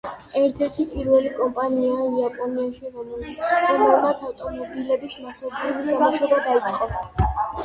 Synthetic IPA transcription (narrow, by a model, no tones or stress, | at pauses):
ɛɾt̪ʰɛɾt̪ʰipʼiɾvɛlikʼɔmpʼaniaiapʼɔniaʃiɾɔmɾɔmɛlˠmat̪sʰaft̪ʼɔmɔbilɛbismasɔblizlaɡɔʃɛbad̪aid̪sʼqʼɔ